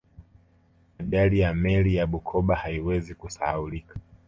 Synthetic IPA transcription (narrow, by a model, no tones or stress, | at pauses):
maɗalijamɛlijaɓukʰɔɓahaiwɛzikusa̰ulikḁ